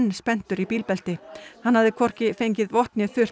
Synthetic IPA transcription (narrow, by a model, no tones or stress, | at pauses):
nːspɛn̥t̪ʏɾipiːlpɛlt̪ɪhanːhavðɪkʰvɔr̥cɪfejɲcɪðvɔht̪nɪθʏr̥